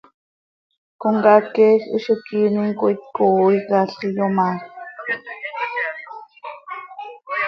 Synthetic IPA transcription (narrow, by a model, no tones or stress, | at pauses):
koŋɡakexḭʃukiːniŋkoit̪̚koikaɬijoma